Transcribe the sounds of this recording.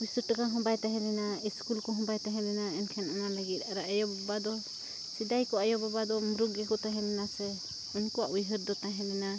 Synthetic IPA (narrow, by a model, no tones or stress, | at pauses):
ujsəʈəkaɦɔ̃bajt̪aɦɛ̃lɛnaiskulkɔɦɔ̃bajt̪aɦɛ̃lɛnaɛnkʰɛnɔnalaɡit̪̚ˀaɾaʔajɔbbad̪ɔ | sid̪ajkɔʔajɔbabad̪ɔmɾukɡɛkɔt̪aɦɛ̃lɛnasɛ | unkɔwaʔujɦəɾd̪ɔt̪aɦɛ̃lɛna